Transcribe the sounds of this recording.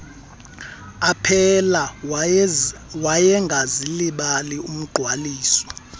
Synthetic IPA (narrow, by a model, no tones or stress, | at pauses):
apʰɛla | wajɛŋɡʱaziliɓalium̩ɡ͡ǃʱwaliːsɔ̥